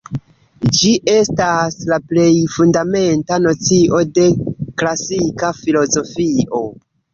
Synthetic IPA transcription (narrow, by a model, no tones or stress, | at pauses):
d͡ʒiʔe̞staslaple̞jfundame̞ntano̞t͡siʔo̞de̞klasikafilo̞zo̞fiʔo̞